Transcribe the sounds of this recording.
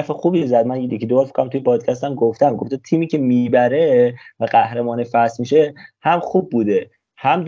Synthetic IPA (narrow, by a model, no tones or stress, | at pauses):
fexuːbizæd̪̚mænjjecʰiːd̪obɒːɾfi̥kʰoæmt̪ʰujepʰɒːd̪̥cʰæst̪æmɡoft̪æmɡo̰ft̪et̪ʰiːmiːcʰe̞mibæɾevæɢæhɾemɒːnefæsmiːʃehæmχuːb̚ːuːd̪e | hæmd̪